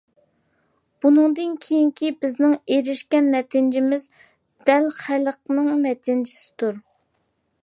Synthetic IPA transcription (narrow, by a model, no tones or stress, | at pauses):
b̥unɨŋd̪ɨnkʲʰejiŋkʲʰibɪznɪŋeɾɪʃkʲɛnːɛt̪ʰɪnd͡ʒɪmɪz | d̪̥ɛlχælˠəqnɨŋnɛt̪ʰɪnd͡ʒɪsɪ̥t̪uɾ